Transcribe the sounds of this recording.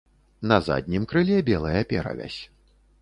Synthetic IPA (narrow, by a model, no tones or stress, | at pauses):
nɐza̰d̪ʲnʲimkɾɨlʲɛbʲɛlˠɐjɐpʲɛɾɐ̰vʲa̰sʲ